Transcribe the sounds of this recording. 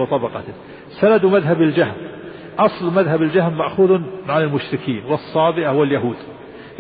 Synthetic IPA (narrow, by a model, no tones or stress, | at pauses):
t̪ˤɑbɑqɑ | salad̪maðɦabɪld͡ʒahm | ʔɑsˤlmaðɦabɪld͡ʒahmːaʔxuːðʕanɪlmʊʃɾɪkʰiːnwɨsˤːɑːbɪʔahʊwaljaɦuːd̪